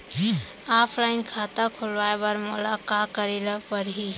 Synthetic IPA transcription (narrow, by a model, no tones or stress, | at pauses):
aːpʰlaːɪnkʰaːt̪akʰʊlʋaːebəɾmʊlakaːkəɾelapəɾɦi